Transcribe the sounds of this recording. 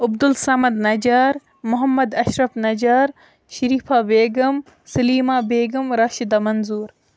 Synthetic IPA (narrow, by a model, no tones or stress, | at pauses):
ɐbd̪ulsɐmɐd̪nɐd͡ʒaːɾ | mʊɦɐmːɐd̪ɐʃɾɐfnɐd͡ʒaːɾ | ʃɐɾiːfaːbeːɡɐm | sɐliːmaːbeːɡɐmɾɐʃid̪ɐmɐnzuːɾ